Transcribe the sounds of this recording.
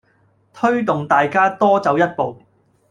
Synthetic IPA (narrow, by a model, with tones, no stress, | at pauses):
t̪ʰɵ˥ɥt̪ʊ˨ŋt̪aː˨jkaː˥t̪ɔː˥t͡sɐ˨˧wjɐ˥t̚po˨w